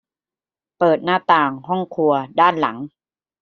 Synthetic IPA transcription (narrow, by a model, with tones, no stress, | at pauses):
pɤː˨˩t̪̚naː˥˩t̪aː˨˩ŋɦɔ˥˩ŋkʰu˧ɐdaː˥˩nla˩˦ŋ